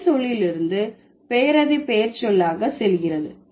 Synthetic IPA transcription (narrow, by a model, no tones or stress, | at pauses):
sɔɭjɪlɪɾɯnd̪ɯ | peːɾɐðipeːɾt͡ʃɔlːaːɣɐsɛlɣɪrɐðɯ